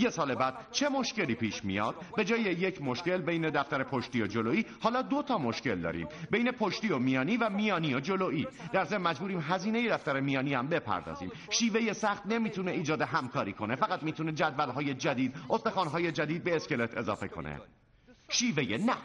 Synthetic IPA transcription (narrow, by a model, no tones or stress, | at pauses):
je̞sɒːlebæːd̪̥̚t͡ʃʰe̞mo̞ʃce̞liːpʰiːʃmḭjɒ̰ːd̪̥̚be̞d͡ʒɒːjejecʰmoʃcelbejned̪æft̪æɾepʰoʃt̪iːjod͡ʒoloːiːhɒːlɒːd̪o̞t̪ʰɒːmoʃce̞ld̪ɒ̰ːɾḭːmbe̞jne̞pʰo̞ʃt̪iːomijɒːniːvæmijɒːniːjod͡ʒo̞loːʔiːd̪̥æɾzemmæd͡ʒbuːɾiːmɦæziːne̞je̞d̪æft̪æɾemijɒːniːæmbe̞pʰæ̰ɾd̪ɒ̰ːzḭːm | ʃiːve̞je̞sæxt̪ne̞miːt̪ʰune̞iːd͡ʒɒːd̪eɦæmkʰɒːɾiːkʰone̞fæɣæt̪miːt̪ʰuned͡ʒæd̪vælɦɒːje̞d͡ʒæd̪iːd̪̚ʔost̪exɒːnɦɒːje̞d͡ʒæd̪iːd̪̚be̞ːskʲe̞le̞t̪ʰe̞zɒ̰ːfe̞kʰo̞̰nḛ | ʃiːvejenæ